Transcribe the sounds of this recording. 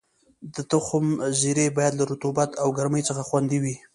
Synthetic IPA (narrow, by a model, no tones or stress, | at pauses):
d̪ət̪ʊxʊmziɾebɑjad̪laɾut̪ubat̪awɡaɾməjt͡səxaxwand̪iwi